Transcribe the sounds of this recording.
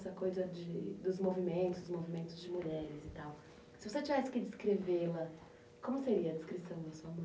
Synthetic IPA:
sɐkojzɐd͡ʒɪd̪ʊzmovimẽnt̪ʊzʊzmovimẽnt̪ʊzd͡ʒɪmuʎɛɾɪzɪt̪aw | sɪvoset͡ʃivɛsɪ̥kɪd͡ʒɪskɾevelɐ | kõmʊseɾiɐd͡ʒɪskɾisɐ̃w̃d̪ɐsuɐmɐ̃

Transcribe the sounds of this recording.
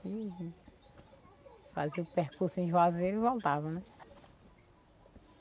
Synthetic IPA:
i | fa̰ziupehkuɾsuẽʒazeɾivɔwt̪avɐnɛ

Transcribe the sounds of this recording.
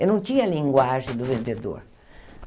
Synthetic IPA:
enɐ̃w̃t͡ʃ̪ĩɲɐlĩŋɡwaʒẽd̪ʊvẽnd̪ed̪o̰ɾ

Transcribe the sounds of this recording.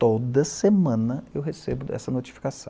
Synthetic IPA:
t̪od̪ɐsemɐ̃nɐewɦesebʊɛ̰sɐnot͡ʃi̥fi̥kasɐ̰̃w

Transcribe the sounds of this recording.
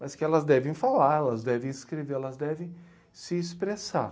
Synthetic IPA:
mɐskɪɛlɐzd̪ɛvẽj̃falaɾɛlɐzd̪ɛvẽj̃ɪskɾeveɾɛlɐzd̪ɛvẽj̃ | sɪːspɾesa̰ɾ

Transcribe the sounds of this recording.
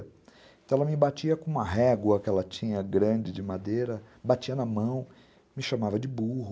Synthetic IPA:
t̪ɐ̃ɛlɐmɪbat͡ʃiɐkõũmɐɦɛɡwɐkɪɛlɐt͡ʃĩɲɐɡɾɐ̃d͡ʒɪd͡ʒɪmad̪ejɾɐ | bat͡ʃiɐnɐmɐ̃w̃ | mɪʃamavɐd͡ʒɪbuɦ

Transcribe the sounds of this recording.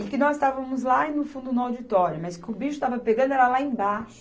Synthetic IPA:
ɪ̃kɪnɔzst̪avɐ̃mʊzlaɪnʊfũnd̪ʊnʊawd͡ʒit̪ɔɾjʊmɐskɪʊbiʃʊ̥t̪avɐpeɡɐ̃nd̪ʊɛɾɐlaẽj̃baʃʊ̥

